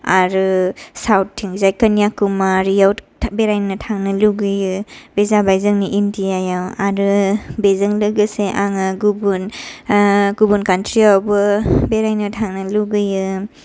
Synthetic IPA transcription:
aɾɯsawtʰːiŋzajkanijakumaɾijawʰ | beɾajnːɯtʰaŋnɯluɡɯjɯbezabajzɯŋniʔindiajawaɾɯbezɯŋlɯɡɯseʔaŋɯɡubun | ɡubunkantɾiawbɯbeɾajnɯtʰaŋnɯluɡɯjɯ

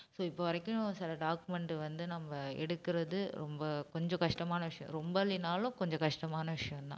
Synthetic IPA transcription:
soːɪpːoʋɐɾɐkːʊ̃sɪlɐɖaːkɯmɛɳɖɯʋɐnd̪ɯnɐmːɐɛ̰ɽɯkːɪɾɐðɯɾɔmbɐkɔɲd͡ʒɔ̃kɐʂʈɐmaːnɐʋɪʂɐjɔ̰̃ɾɔmbɐlinaːlʊ̃kɔɲd͡ʒɔ̃kɐʂʈɐmaːnɐʋɪʂɐjɐ̃nt̪ã̰ː

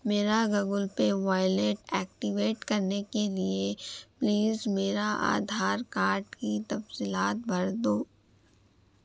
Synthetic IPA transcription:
meːɾaɡɐɡʊlpeʋaːɪleːʈɛːk̚ʈiʋeːʈkɐɾnekeliepliːzmeːɾaʔa̰ːd̪ʱaːɾkaːɾʈkit̪ɐbsiːlaːt̪̚bʱɐɾd̪oː

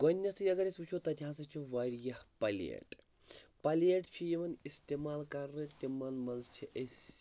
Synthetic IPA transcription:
ɡonʲːɐst̪ʰujɐɡɐɾesut͡ʃʰot̪ɐt̪ʲiɦãsɐt͡ʃʰiʋɐɾjɐhpɐlḛʈ | pɐleʈt͡ʃʰijeʋɐnist̪emaːlkɐɾɨt̪ʲimɐnmɐnzt͡ʃʰiʔes

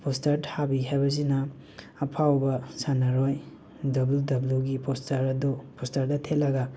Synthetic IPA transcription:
pʰostaɾdhabiɦajbɐz̬inɐː | pʰawbɐsanɐɾoj | dɐbludɐbluɡipʰostʰaɾɐdupostaɾdɐtʰelɐɡɐ

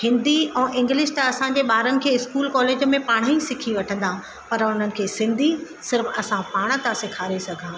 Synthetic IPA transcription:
hɪ̃nd̪iɛ̃ːʔɪ̃ŋɡlɪʃt̪ɐɐsãɲd͡ʑeɓaːɾənɪ̆kʰeːɪskuːlkɔːleːd͡ʑəmẽpaːɽ̃əĩsɪkʰiʋɐʈʰə̃nd̪ã | pɐɾʊn̤ənɪ̆kʰeːsɪ̃nd̪ʱi | sɪɾfɐsãpaːɽ̃ə̆t̪ãsɪkʰaːɾesɐɡʱãː

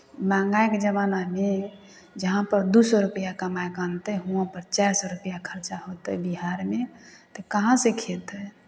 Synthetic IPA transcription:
mãŋɡaekd͡ʒəβaname | d͡ʒəɦãpəɾd̪usəɾupəjakəmaekant̪əɦũãpəɾt͡ʃajsɔɾupəjakʰəɾt͡ʃaɦot̪əbiɦaɾmet̪ɔkəɦãsekʰet̪ə

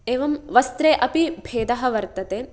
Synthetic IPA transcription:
eːʋɐmʋɐst̪ɾeːʔɐpibʱeːd̪ɐɦɐ̆ʋɐɾt̪ɐt̪eː

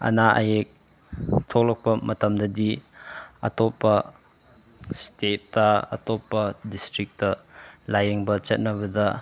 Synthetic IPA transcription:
ʔɐ̰naʔɐ̰jek̚ | tʰɔk̚lɔk̚pɐmɐtɐmdɐdiʔɐ̰t̪ɔpːɐ | stetːɐɐ̰tɔpːɐdistɾik̚tɐlajeŋbɐt͡ʃɐt̚nɐβɐd̪ɐ

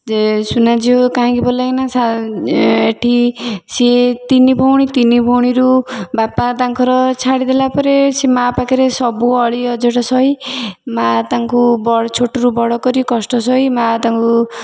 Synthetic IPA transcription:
esunad͡ʒiokaɦãkibolajnasa | eʈʰiset̪inibʱɔwɽ̃it̪inibʱɔwɽ̃iɾubapat̪aŋkɔɾɔt͡ʃʰaɽid̪elapɔɾesemapakiɾesɔbuɔɭiɔd͡ʒɔʈɔsɔimat̪aŋkubɔɽt͡ʃʰoʈoɾubɔɽɔkɔɾikɔsʈɔsɔɦimat̪aŋku

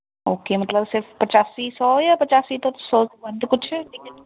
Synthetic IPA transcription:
oːkeːmɐt̪ləbsɪɾfpɐt͡ʃaːsisɔjapɐt͡ʃaːsit̪o̥sɔbɐnt̪kʊt͡ʃʰʈikɪ

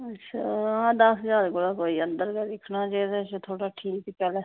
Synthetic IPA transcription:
ətːʰaːãːd̪əszaːɾkolaːkoːiːə̃nd̪əɾked̪ɪkʰnaːt͡ʃaiɾːt͡ʃt̪ʰoːɽaːʈʰiːkkːpɛːlɛː

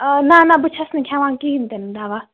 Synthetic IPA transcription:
nanabut͡ʃʰasnikʰãwãnkint̪end̪aʋa

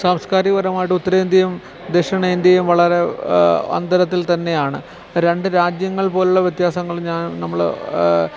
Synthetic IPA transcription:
saːmskaːɾiʋɐɾɐmaːjiʈːɨut̪ːɐɾɐind̪jɐjɐm | d̪eʂɐɳɐind̪jɐjumʋɐɭɐɾe̞ɐ̰nd̪ɐɾɐt̪ːilt̪ɐnːe̞jaːɳɨ | ɾe̞ɳɖɨɾaːd͡ʑjɐŋːɐɭpo̞ːluɭːɐʋjɐt̪jaːsɐŋːɐɭɲaːnnɐmːɐɭ

